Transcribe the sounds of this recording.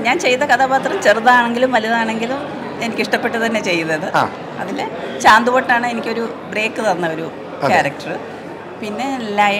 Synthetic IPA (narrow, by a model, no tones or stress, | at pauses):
ɲaːnt͡ɕe̞jːt̪ːɐkɐðʰaːbaːt̪rɐmt͡ɕeruðɐaːɳe̞ŋɡilumʋɐluðaːɳe̞ŋɡilum | e̞nikʲːiʂʈɐpːe̞ʈːɨt̪ɐnːe̞t͡ɕe̞jːuðɐðɨa̰ | ɐðilet͡ɕaːnd̪uʋoʈːaːɳɨe̞nikʲːo̞ɾu | bre̞ːkːɨðɐnːɐo̞ɾu | kʲaːɾɐk̚ʈɐrɨ | pinːe̞lɐj